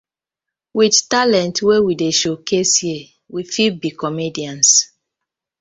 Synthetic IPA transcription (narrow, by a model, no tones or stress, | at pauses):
widtalɛ̃ntwewideʃokʰesje | wifibikɔmediãns